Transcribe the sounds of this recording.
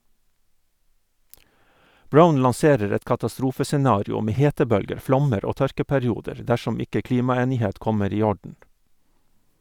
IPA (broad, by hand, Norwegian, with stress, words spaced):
ˈbɹaʊn lɑnˈseːɾəɾ ˈɛt kɑtɑˈstɾuːfəsɛˌnɑːɾɪʊ ˈmeː ˈheːtəˌbœlɡəɾ ˈflɔməɾ ˈoː ˈtœɾkəpɛɾɪˌuːdəɹ ˈdæʃɔm ˈɪkə ˈkliːmɑˌeːnɪˌheːt ˈkɔməɾ ˈiː ˈɔɖɳ̩